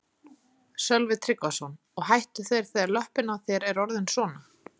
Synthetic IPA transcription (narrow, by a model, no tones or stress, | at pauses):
sœlvɪt̪ʰɾɪkːɔsɔn | ɔɣɦajht̪ʏθejɾ̥θejaɾlœhpɪnaθjɛɾɛɾɔɾðɪnsɔːna